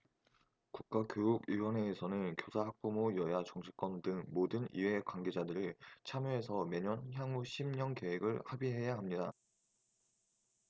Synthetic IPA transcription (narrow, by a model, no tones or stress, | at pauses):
kuk̚k͈akjoɾuɡɥiwʌne̞ːsʰʌnɯnkjosʰaɦak̚p͈omojʌjat͡ɕʌŋɕʰi̥k͈wʌndɯŋmodɯnḭwe̞kwanɡe̞d͡ʑadɯɾit͡ɕʰamjoe̞sʰʌme̞ɲʌnçjaŋuɕʰimɲʌŋke̞weɡɯɭhabiɦe̞jaɦamɲida